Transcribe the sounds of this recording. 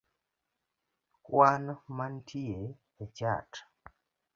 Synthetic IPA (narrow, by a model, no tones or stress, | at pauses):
kwanmantʰie | ɛt͡ʃa̰t